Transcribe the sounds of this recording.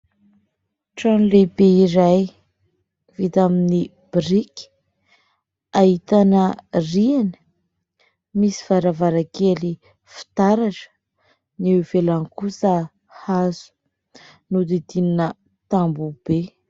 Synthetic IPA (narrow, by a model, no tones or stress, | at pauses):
ʈ͡ʂanlebeiɾaj | vit̪amini | b̥ɾik | aɦit̪anərianə̥ | misi̥v̥aɾavaɾakeli | fi̥t̪aɾaʈ͡ʂə̥ | niwvelankusə | hazu̥ | nud̪id̪ininə | t̪ambub̥e